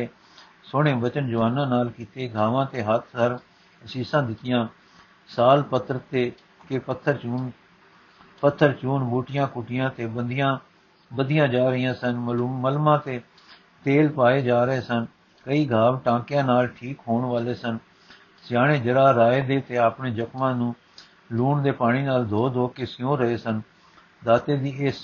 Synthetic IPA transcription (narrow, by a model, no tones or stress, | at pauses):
eː | soːɽ̃ẽːbət͡ʃənd͡ʒoːənãːnaːlkiːt̪eːɡʱaːʋãːt̪eːɦət̪ʰəɾ | əsiːsãːd̪ɪt̪ɪjãː | saːlpət̪ʰːəɾt̪eː | keːpət̪ʰːəɾt͡ʃuːn | pət̪ʰːəɾt͡ʃuːnbuːʈɪjãːkʊʈɪjãːt̪eːbəd̪ɪjãː | bəd̪ɪjãːd͡ʒaːɾəɪjãːsənməlːməlmãːt̪eː | t̪eːlpaːeːd͡ʒaːɾəeːsən | kəiːɡʱaːʋʈãːkɪjãːnaːlʈʰiːkɦoːɳʋaːleːsən | sɪjaːɽ̃eːd͡ʒəɾaːɾaːeːd̪eːt̪eːaːpɳeːd͡ʒəkmãːnũː | luːɳd̪eːpaːɽ̃iːnaːld̪ʱoːd̪ʱoːkeːsɪjõːɾəeːsən | d̪aːt̪eːd̪iːɪs